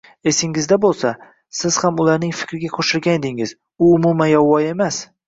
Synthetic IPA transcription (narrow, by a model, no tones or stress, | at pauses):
e̞sɪŋɪzd̪abolˠsa | sɪz̥hamʊlaɾnɪŋfɪ̥kʲɾɪɡʲaqʰoʃɪlɡʲaned̪ɪŋɪz | ʊʊmʊmanjɒwːɒje̞mas